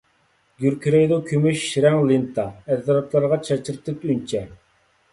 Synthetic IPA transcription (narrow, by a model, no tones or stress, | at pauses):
ɡʲyɾkʰʲɾejd̪okʲʰømyʃːɾɛŋlˠint̪ʰɑɛzːɾɑt̪ʰlˠɑɾʁɑt͡ʃʰɛt͡ʃiɾt̪ʰɪt̪ynt͡ʃʰɛ